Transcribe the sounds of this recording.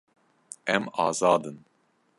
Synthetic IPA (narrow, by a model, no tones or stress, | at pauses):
ɛmɑːzɑːd̪ɨn